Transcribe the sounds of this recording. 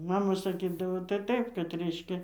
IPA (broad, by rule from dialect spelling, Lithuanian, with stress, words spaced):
ˈmɑːmɐ sɐˈkʲiːdɐʋoː tɐɪ ˈtɐɪp kɐt ˈrʲɛɪʃʲkʲɛ